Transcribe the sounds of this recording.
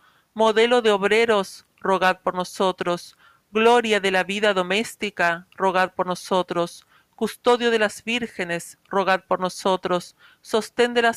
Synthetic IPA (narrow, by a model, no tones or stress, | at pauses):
moðe̞lo̞ðeoβɾeɾos | roɣaðpoɾnosot̪ɾos | ɣloɾjaðelaβiðaðo̞mest̪ikaro̞ɣ̞aðpoɾnosot̪ɾos | kust̪o̞ðjo̞ðe̞lazβiɾxenesroɣ̞aðpoɾnosot̪ɾosː | o̞st̪end̪ela